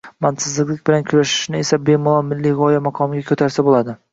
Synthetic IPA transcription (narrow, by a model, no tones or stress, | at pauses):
mansɪzlɪklɪkʲbɪlankʰʊɾaʃɪ̥ʃnɪe̞sabe̞mʊlˠɒmɪlːiʁɒjamaqʰɒmɡʲakʲʰɵt̪ʰaɾsabolˠad̪ɪ